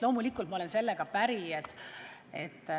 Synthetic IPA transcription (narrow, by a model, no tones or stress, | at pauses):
lo̞ːmulikːˑult̪mɑo̞le̞nse̞lːe̞ɡ̥ɑpæɾiet̪ːˑet̪ː